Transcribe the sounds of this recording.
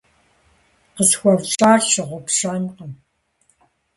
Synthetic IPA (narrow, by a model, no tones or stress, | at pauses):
qəsxʷɐvt͡ʃʼaːɬɨʁʷʊpʃaːnqəm